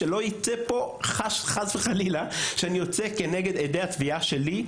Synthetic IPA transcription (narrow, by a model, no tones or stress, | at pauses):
elo̞it͡sepo̞χaʃχazveχalilaʃeanijot͡seke̞neɡe̞d̪ed̪ejhatviaʃe̞li